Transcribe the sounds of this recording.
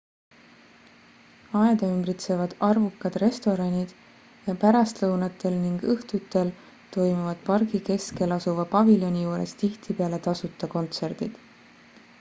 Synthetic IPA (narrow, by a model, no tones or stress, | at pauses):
ɑed̪̥ɑymbɾit̪se̞vɑd̪̥ɑrvukːɑd̪̥re̞st̪o̞ɾɑnʲid̪̥ | jɑpæɾɑst̪lɤwnɑt̪ːˑe̞lniŋɡ̥ɤht̪ut̪ːˑe̞l | t̪o̞jmuvɑd̪̥̚pɑrɡike̞ske̞lɑsuvɑpɑviljo̞nʲijuːɾe̞st̪iht̪ipe̞ɑle̞t̪ɑsut̪ˑːɑko̞nt̪se̞rd̪̥id̪̥